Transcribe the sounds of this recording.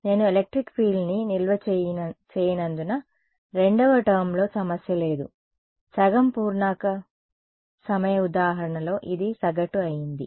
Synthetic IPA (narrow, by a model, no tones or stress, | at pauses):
ne̞ːnuelek̚ʈɾikpʰiːlninilʋɐt͡ʃt͡ʃeːjinɐnd̪unɐ | ɾe̞ɳɖɐʋɐʈɐɾmlo̞ːsɐmɐsjɐle̞ːd̪ṵ | sɐɡɐmpuːɾnaːkɐ | sɐmɐjɐud̪aːɦɐɾɐɳɐlo̞ːʔid̪isɐɡɐʈuɐjind̪i